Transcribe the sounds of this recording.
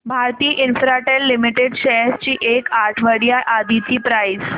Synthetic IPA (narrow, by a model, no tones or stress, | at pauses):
bʱaɾt̪iːʔinfɾaʈelːimiʈeɖɕɛst͡ɕiːʔekaɾʈʰʋəɽjaʔad̪it͡ɕiːpɾais